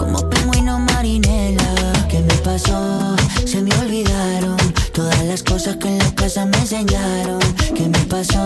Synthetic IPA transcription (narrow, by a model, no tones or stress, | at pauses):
ko̞̰mo̞̰piŋɡwino̞maɾine̞lake̞me̞paso̞se̞meo̞lβiðaɾo̞nt̪o̞ðazlasko̞saskenlakasamense̞ɲaɾo̞ŋke̞me̞paso̞